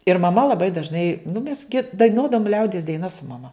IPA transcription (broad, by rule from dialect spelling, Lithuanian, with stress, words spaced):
ɪr mɐˈmɐ lˠɐˈbɐɪ dɐʒˈnɐɪ nʊ mʲɛs ɡʲɪ dɐɪˈnuɔdɐʋoːm ˈlʲɛʊdʲiɛs dɐɪˈnɐs sʊ mɐˈmɐ